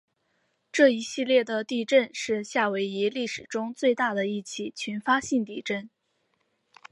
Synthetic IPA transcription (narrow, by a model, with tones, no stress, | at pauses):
ʈ͡ʂɤ˥˩i˧˥ɕi˥˧ljɛ˥˩d̪ə˩t̪i˥˧ʈ͡ʂə˥˧nʂɻ̩˥˧ɕja˥˩we˧˥ɪi˧˥li˥˩ʂɻ̩˨˩ʈ͡ʂʊ˥ŋt͡swe˥˧ɪt̪a˥˩d̪ə˩i˥˩t͡ɕʰi˥˩t͡ɕʰy˧˥nfa˥ɕi˥˧ŋt̪i˥˧ʈ͡ʂə˥˩n